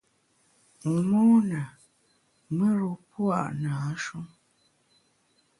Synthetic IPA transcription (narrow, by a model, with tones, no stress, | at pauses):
ŋ̩˨mɔ˦nə˨ | mə˦ɾu˨pwa̰˦˨ʔna˨a˦ʃu˦m